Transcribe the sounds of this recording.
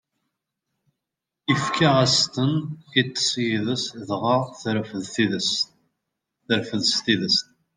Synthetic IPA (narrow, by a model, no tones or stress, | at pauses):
ifkʰaʁæst̪ənit̪ːə̥sjiðəsðʁəʁθəɾfəðθiðəst̪ | θəɾfəðst̪iðəst̪